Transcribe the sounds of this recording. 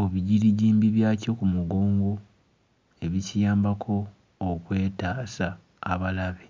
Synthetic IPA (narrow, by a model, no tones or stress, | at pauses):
oβiɟiɾiɟiːmbiβjaːco̞kumuɡoːŋɡo̞ | e̞βicijaːmbakʰo̞ː | kwe̞ːtaːsaː | βalaβe